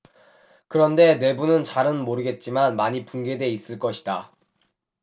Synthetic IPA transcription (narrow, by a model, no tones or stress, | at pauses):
kɯɾʌnde̞ne̞bunɯnt͡ɕaɾɯnmoɾɯɡe̞t̚t͡ɕ͈imanmaɲipunɡe̞de̞is͈ɯɭk͈ʌɕʰi̥da